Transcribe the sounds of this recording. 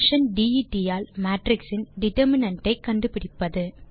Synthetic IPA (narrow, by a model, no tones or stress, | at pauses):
ʂɐnɖiiʈːijaːlmaːʈɾɪksɪnɖɪʈɐɾmɪnɐɳʈːɐɪkːɐɳɖɯpɪɽɪpːɐðɯ